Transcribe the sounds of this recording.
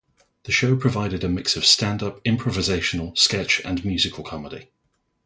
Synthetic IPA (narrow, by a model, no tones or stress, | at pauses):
ðəʃəʊpʰɹ̥əvaɪɾɪdəmɪksəv̥stãndʌpɪ̃mpʰɹ̥əvɪzeɪʃənəlˠskɛt͡ʃə̰̃nmjʉːzɪkʰəlˠkʰɒmədḭ